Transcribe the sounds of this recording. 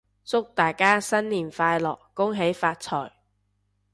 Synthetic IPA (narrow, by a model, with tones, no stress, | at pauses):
sʊ˥k̚t̪aː˨jkaː˥sɐ˥nliː˨˩nfaː˧jlɔː˨˩kːʊ˥ŋɦe˨˥jfaː˧t̚t͡sʰɔː˨˩j